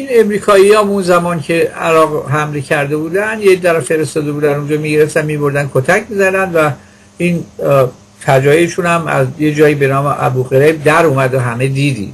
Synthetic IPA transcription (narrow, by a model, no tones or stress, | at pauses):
ine̞mɾiːkʰɒːiɒːmunzæmɒːncʰe̞æɾɒːɣɦæmlecʰæɾd̪e̞buːd̪ænd̪jecd̪æɾæfe̞ɾest̪ɒːd̪e̞buːd̪ænund͡ʒɒːmiɟeɾeft̪ænmibo̞ɾd̪ænkʰot̪ʰæcʰmizæɾd̪ænd̪væ | in | fʰæd͡ʒɒːjeʃunhæmæ̰zjed͡ʒɒːjiːbe̞nɒːmeʔæ̰buʁeɾeb̚d̪æɾumæd̪oɦæme̞d̪iːd̪ḭd̪